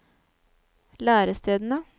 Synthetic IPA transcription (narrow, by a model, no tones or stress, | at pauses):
læːɾəst̪ʰeːd̪n̩ə